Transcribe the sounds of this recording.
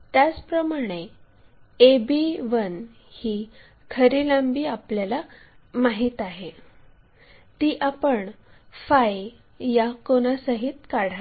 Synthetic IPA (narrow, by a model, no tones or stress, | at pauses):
t̪jat͡spɾəmaɽ̃e | ebiʋən | hiː | kʰəɾilambiːapljala | maɦiːt̪aɦe | t̪iːʔapəɳfaj | jakonasəɦit̪kaɽ̤a